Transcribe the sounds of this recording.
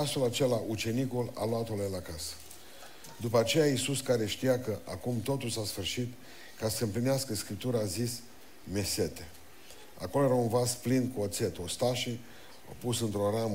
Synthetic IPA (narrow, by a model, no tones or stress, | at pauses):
ast̪elat͡ʃe̞laʔut͡ʃe̞nikula̰luat̪olelakasə̥ | d̪upəat͡ʃe̞jaisuskaɾe̞ʃt̪ijakəʔakumt̪o̞t̪ulsasfɨrʃit̪ | kasəɨmplineaskəskɾip̚t̪uɾəaːzis | me̞se̞t̪e | a̰ko̞lojeɾaunvazplind̪kuot̪se̞t̪ost̪aʃi | a̰pusɨnt̪ɾo̞ɾam